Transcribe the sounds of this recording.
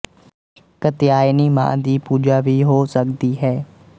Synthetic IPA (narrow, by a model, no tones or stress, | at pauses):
kət̪ɪjaːjnimã̰ːd̪iːpuːd͡ʒaːʋʱiɦoːsɐkd̪iɦɛː